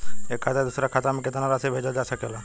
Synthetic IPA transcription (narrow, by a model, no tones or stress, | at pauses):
ekʰːat̪ad̪ʊsɾakʰat̪amẽket̪anaɾasebʱed͡ʒad͡ʒasəkela